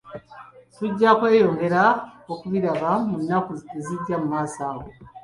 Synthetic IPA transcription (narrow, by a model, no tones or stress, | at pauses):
tuɟːakwe̞ːjo̞ːŋɡe̞ɾaokuβiɾaβamunːakuzeziɟːamumaːsaːɣo